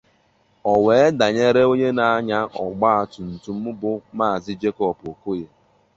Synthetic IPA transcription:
ɔ˨we˨e˦da˨ɲe˦ɾe˦o˦ɲe˦na˨a˦ɲa˦ʔɔ˨ɡ͡ba˦a˨tʊ˨n̩˨tu˨m̩˦bʊ˦ma˦a˨zɪ˦d͡ʒe˦kɔ˦po˨ko˦je˦

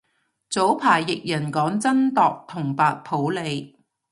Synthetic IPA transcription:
t͡so˨˥wpʰaː˨˩jːɪ˨k̚jɐ˨˩nkɔː˨˥ŋt͡sɐ˥nt̪ɔː˨k̚t̪ʰʊ˨˩ŋpaː˨t̚pʰo˨˥wle˨˧j

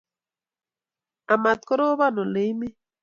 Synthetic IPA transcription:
a˨ma˨t̪̚kɔ˦ɾo˦βa˦˨no˨le˨˦jme˦

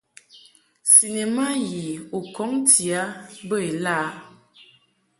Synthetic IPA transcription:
si˨ne˨ma˦ji˨o˨kɔ˨˦ŋti˨a˨˦bə˦e˨laː˦

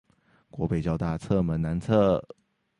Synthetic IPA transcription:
kwɔ˧˥pe˨˩ɪt͡ɕjɑ˥˧ʊt̪a˥˧t͡sʰɤ˥˩mə˧˥nna˧˥nt͡sʰɤ˥˩

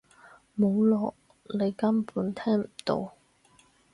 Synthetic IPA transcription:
mo˨˧wlɔː˨ʔ̚ | le˨˧jkɐ˥mpuː˨˥nt̪ʰɛː˥ŋm̩˨˩t̪o̰˧w

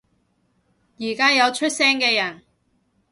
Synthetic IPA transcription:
jiː˨˩kaː˥jɐ˨˧wt͡ʃʰɵ˥t̚sɛː˥ŋkɛː˧jɐ˨˩n

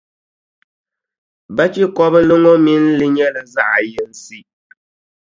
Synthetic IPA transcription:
ba˦t͡ʃi˦kɔ˦bɨ˦lɨ˦ŋɔ˦mi˦n̩˦lɨ˦ɲɛ˦lɨ˨za˦ʔa˨jɛ˦n̩˦si˦

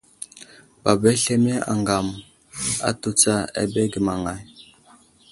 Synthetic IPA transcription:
b̥a˨be˦ɬe˦me˦ʔa̰˨ŋɡa˨m | a̰˨tu˨t͡sa˦a̰˨be˦ɡi˨ma˨ŋa˨j

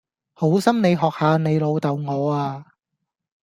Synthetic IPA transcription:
ho˨˥wsɐ˥mne˨˧jɦɔː˨˩k̚haː˨˧ne˨˧jlo˨˧wt̪ɐ˨wŋɔː˨˧aː˧

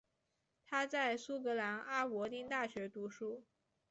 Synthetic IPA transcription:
t̪ʰa˥t͡sa˥˩ɪsu˥kɤ˧˥la˧˥na˥pwɔ˧˥t̪i˥˧nt̪a˥˩ɕɥɛ˧˥t̪u˧˥ʂu˥˩

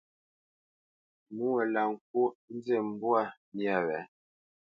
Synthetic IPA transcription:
mu˦ɛ˨la˨ŋ̩˨k̚o˦n˦ze˦˨m̩˦bwa˦˨mja˦˨wɛ˨˦

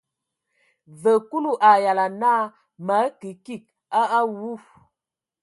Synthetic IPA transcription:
və˨ku˦lu˦ʔa˨ja˨la˨na˦ | ma˨˦ki˨ki˦˨k̚ | a˦ʔa˦wu˦˨

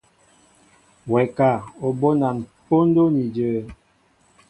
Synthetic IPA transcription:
wɛ˨ka˦˨o˨bo˦na˨npo˦n˦do˦ni˨d͡ʒəː˨˦

